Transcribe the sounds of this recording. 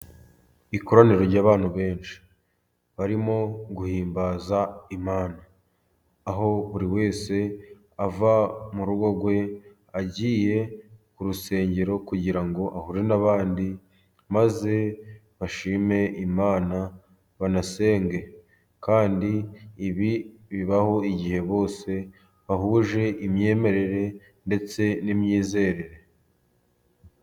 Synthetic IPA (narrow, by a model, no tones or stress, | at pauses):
ikoɾaniɾo̞ɾɟaːβaːn̥huβe̞ːnʃi̥ | βaɾimo̞ɡuhiːmbaːzaimaːnaː | ɦo̞βuɾiwe̞ːse̞ | avamuɾuɡo̞ɡwe̞ | aɟiːje̞kuɾuse̞ːɲɟe̞ɾo̞kuɟiɾaŋɡo̞ʔahuɾenaβaːndi | maze̞ | βaʃiːme̞imaːna | βanase̞ːŋɡe̞ | kaːndiːβiβiβaho̞iɟihe̞βo̞ːse̞ | βahuːʒe̞ʔimɲe̞ːme̞ɾe̞ɾe̞ | nde̞t͡se̞nimɲiːze̞ɾe̞ɾe̞